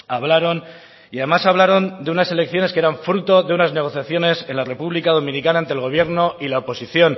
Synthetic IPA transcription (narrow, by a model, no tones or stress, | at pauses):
aβlaɾo̞n | iaðe̞masaβ̞laɾo̞nd̪e̞unase̞le̞kθjo̞ne̞skeeɾaɱfɾut̪o̞ðe̞unazne̞ɣ̞o̞θjaθjo̞ne̞se̞nlare̞puβlikaðo̞mĩnikanaent̪ɾelɣo̞β̞je̞ɾno̞ilaopo̞siθjo̞n